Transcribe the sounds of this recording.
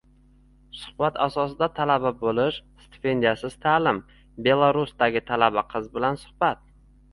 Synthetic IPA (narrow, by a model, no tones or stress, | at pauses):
sʊ̥hbat̪ʰa̰sɒsɪd̪at̪ʰalababolɪʃst̪e̥pe̞nd̪ijasɪz̥t̪ʰaːlɪm | be̞lˠaɾusd̪aɡʲɪt̪ʰalabaqʰɨzbɪlansʊ̥hbat̪̚